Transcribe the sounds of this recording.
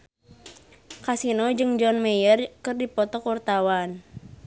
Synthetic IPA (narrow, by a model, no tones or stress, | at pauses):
kasinɔd͡ʒɨŋd͡ʒɔnmejərkɨrdipɔt̪ɔkɔrt̪awan